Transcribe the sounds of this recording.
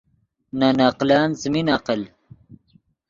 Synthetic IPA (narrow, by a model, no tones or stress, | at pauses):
nanaqlaːnt͡sminaqəl